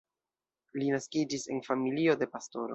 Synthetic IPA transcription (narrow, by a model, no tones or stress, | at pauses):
linaskid͡ʒise̞̰nfamilio̞de̞pasto̞ɾo